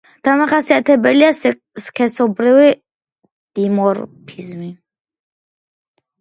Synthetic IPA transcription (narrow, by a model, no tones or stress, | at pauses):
d̪̥amaχasiat̪ʰɛbɛlia | skʰɛsɔbɾivi | d̪̥imɔɾpʰizmi